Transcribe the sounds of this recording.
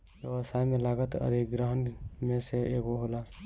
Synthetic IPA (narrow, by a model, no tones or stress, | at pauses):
jeʋəsaːjmẽlaːɡət̪ə̰d̪ʱɪkɡɾəɦənmẽseeːɡoɦoːla